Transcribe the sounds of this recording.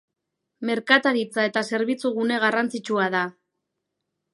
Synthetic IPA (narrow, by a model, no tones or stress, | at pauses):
me̞ɾkat̪aɾit͡sae̞t̪ase̞ɾβit͡suɣune̞ɣ̞arant͡sit͡ʃuaða